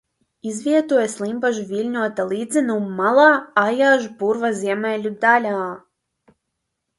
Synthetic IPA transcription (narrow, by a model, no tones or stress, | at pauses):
izvʲiɛt̪uɔjɛslˠimbaʒuvʲilʲɲʲuɔt̪alˠiːd̪zɨnumːalˠaːajaːʒupuɾvazʲiɛmɛlʲud̪alʲaː